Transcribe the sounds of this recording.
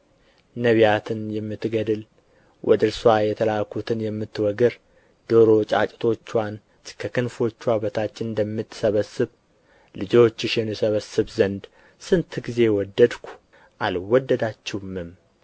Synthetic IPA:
nəβijat̪ʰɨnjɛmːɨt̪ːɡəd̪ɨl | wʔɔ̰d̪ɨɾswajɛt̪ʰəlakʰut̪ʰɨnjɛmːɨt̪ːwɔɡɨɾ | d̪̥oɾo̞t͡ʃʼa̰t͡ʃʼt̪ʰo̞t͡ʃːwan | kʰəkɨnfo̞t͡ʃːwaβət̪ʰat͡ʃːɨnd̪əmːɨt̪ːsəβəsɨβ | lɨd͡ʒo̞t͡ʃːɪʃɛmːisəβəsɨβzənd̪ | sɨnt̪ʰɡize̞wɔd̪ːəd̪kʷʰu̥ | ʔalwɔd̪ːəd̪at͡ʃːɛwmːɨm

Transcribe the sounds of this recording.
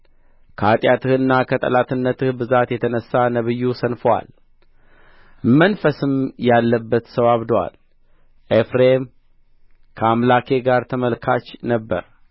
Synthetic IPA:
kʰəat̪ʼjat̪ʰɨhɨnːakʰət̪ʼə̰lat̪ɨnːət̪ʰɨhbɨzat̪jɛt̪ʰənəsːanəβɨjːusənfəwa̰l | mənfəsɨmjalːəbːət̪səwaβd̪owa̰l | ʔefɾem | kʰəamlakʰe̞ɡaɾt̪ʰəməlkʰat͡ʃːnəbːə̰ɾ

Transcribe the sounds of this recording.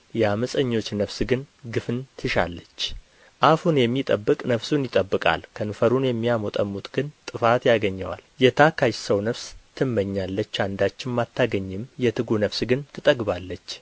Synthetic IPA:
jɛaməsʼəɲːo̞t͡ʃːnəfsɡɨnɡɨfɨnt̪ʰɨʃa̰lːət͡ʃː | ʔafunjɛmːit̪ʼəbːɨkʼnəfsunjɪt̪ʼəbːɨkʼa̰lkʰənɨfəɾunjɛmːiamot̪ʼəmːut̪ʼɡ̥ɨnt̪ʼɨfat̪jaɡəɲːə̰wa̰ljɛt̪ʰakʰajsəwnəfst̪ʰɨmːəɲːalːət͡ʃːand̪at͡ʃːɪnmat̪ʰːaɡəɲːɪmjɛt̪ʰɨɡunəfsɡɨnt̪ʰɨt̪ʼəɡbalːət͡ʃː

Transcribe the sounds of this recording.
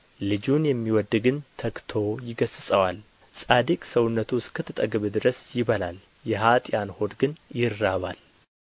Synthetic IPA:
lɨd͡ʒunjɛmːiwɔd̪ːɡɨnt̪ʰəkt̪ʰo̞jɪɡəsɨsʼəwal | sʼad̪ikʼsəwʊnːət̪ʰuskʰət̪ʰːɨt̪ʼəɡɨβd̪ɨɾəsjɪβəlal | jɛɦat̪ʼjanho̞d̪ɡɨnjɪrːaβal

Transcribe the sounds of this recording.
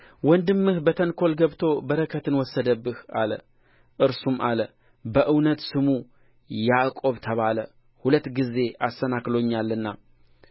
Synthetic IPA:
wɔnd̪ɨmːɨhbət̪ʰənkʰo̞lɡəβt̪ʰo̞bəɾəkʰət̪ʰɨnwɔsːəd̪əbːɨha̰lə̰ | ʔɨɾsumʔa̰lə | bəʔɨwnət̪sɨmu | jakʼo̞βt̪ʰəβalə | hulət̪ːɡize̞ʔast̪ənaklo̞ɲːalːɨnːa

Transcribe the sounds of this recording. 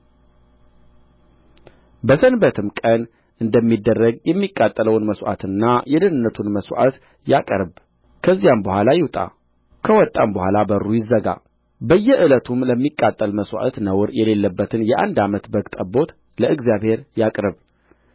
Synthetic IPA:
bəsənbət̪ʰɨmkʼən | ʔɨnd̪əmːid̪ːərːəɡjɛmːikʼːat̪ʼːələwnməsʷʔa̰t̪ʰɨnːajɛd̪ɨnɨnːət̪ʰunməswʔa̰t̪ | jakʼəɾb | kʰəzːijambəhʷalajɪwt̪ʼa̰ | kʰəwɔt̪ʼːambəhʷalabəɾːujɪzːəɡa̰ | bəjːɛʔɨlət̪ʰumləmːikʼːat̪ʼːəlməswʔa̰t̪nəwɾjɛle̞lːəbːət̪ʰɨnjɛʔa̰nd̪amət̪bəɡt̪ʼəbo̞t̪ | ləʔɨɡzijaβhe̞ɾjakʼɾɨβ

